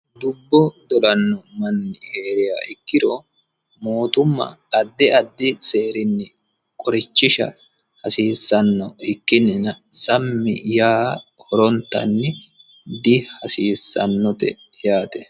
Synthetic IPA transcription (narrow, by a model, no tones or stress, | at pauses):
d̪ʊbːɔd̪ɔlɐnːɔmɐnːɪheːɾɪja̰ːʔɪkːɪɾo | moːt̪ʊmːɐ̰ɐd̪ːɪɐd̪ːɪseːɾɪnːɪ | kʼɔɾɪt͡ʃːɪʃɐ̰ | hɐsiːsːɐnːɔɪkːɪnːɪnɐsɐmːɪ̰jaːhɔɾɔnt̪ːɐ̰nːɪ | d̪ɪhɐsiːsːɐ̰nːɔt̪ɛjaːt̪ɛ